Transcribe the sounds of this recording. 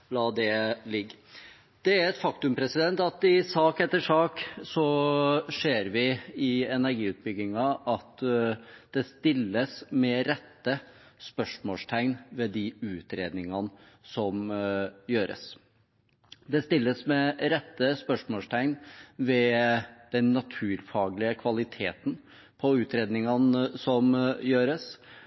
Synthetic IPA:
lɑːd̪ɛlɪɡː | d̪̥ɛæɾɛt̪fɑkt̪ʉmpʰɾɛsɪd̪ɛnt̪ɑt̪ɪsɑːkɛt̪ːəʂɑːksɔʂeːɾʋɪɪɛnæɾɡiːʉːt̪̚bʏɡːɪŋɑʔɑt̪ | d̪̥ɛst̪ɪlːəsmɛɾɛt̪ːə | spœʂmoːst̪ʰæɪnʋɛd̪iʉːt̪ɾeːd̪nɪŋɑn | sɔmjøːɾə̰s | d̪ɛst̪ɪlːəsmɛɾɛt̪ːəspœʂmoːst̪ʰæɪnʋɛd̪̥ɛnːɑt̪ʰʉːɾfɑːɡlɪəkʰʋɑlɪt̪ʰḛːt̪ən̩ | pʰɔʉːt̪ɾeːd̪nɪŋɑnsɔmjøːɾəs

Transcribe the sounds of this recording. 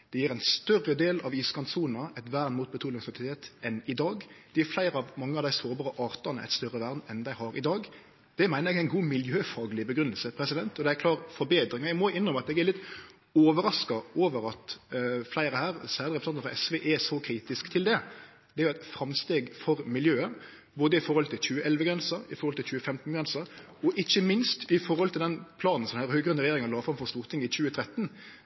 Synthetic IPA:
d̪̥ɛjiːɾæɪnst̪œrːəd̪eːlɑʋiːskɑnsuːnnəɛt̪ʋæːɾnmuːt̪̚bət̪ʰuːlɪŋsɛt̪ɪt̪ʰeːt̪ɛnɪd̪ɑːɡd̪̥ɛæɾflæɪɾəɑʋmɑŋːəɑʋd̪æɪsoːɾbɑːʁəʔɑːʁt̪ɑnəʔæ̰ɪt̪st̪œɾːəʋæʁd̪nɛnd̪æɪhɑɾʔɪ̰d̪ɑːɡ | d̪̥ɛmæɪnəɾjɛɡæɪnɡuːmɪljøːfɑːɡlɪbəɡɾʉnəlsəpʰɾɛsɪd̪ɛnt̪ɔd̪ɛæɾklɑːʁfɔɾbeːd̪ɾɪŋɑæɡmɔɪnːɾɔmɑt̪ɛɡæɾlɪt̪ː | oːʋəɾɑskɑoːʋəɾɑt̪flæɪɾəhæːɾsæːɾdəɾɛpɾsɑnt̪əfɾɑ̰ɛsʋeːʔɛsɔkʰɾiːt̪ɪskt̪ʰɪld̪ɛ | d̪̥ɛæɾjʊɛt̪fɾɑmst̪eːɡfɔɾmɪljøːə | boːd̪əɪfɔɾhɔlt̪ʰɪlc͡çʉːəʔɛlʋəɡɾɛnsəɾɪfɔʁhɔlt̪ɪlçʉːəfɛmt̪n̩ɡɾɛnsəɾ | ɔʔɪçːəmɪnst̪ɪfɔɾhɔlt̪ʰɪld̪ɛnpʰlɑːnn̩sɔd̪æɾhøːɡɾʉnːəʁɛjeːɾɪŋɑlɑːfɾɑmfɔst̪uːʁt̪ʰɪŋɪt͡ɕʉːət̪ʰɾɛt̪ːn

